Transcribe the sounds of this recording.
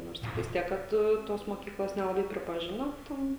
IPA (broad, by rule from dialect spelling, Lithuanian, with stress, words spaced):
ˈnoːrs ˈtʲɪktɐɪs ˈtʲiɛk ˈkɐt ˈtoːs moːˈkʲiːklˠoːs nʲɛlˠɐˈbɐɪ pʲrʲɪpɐˈʒʲɪnoː ˈtʲɛn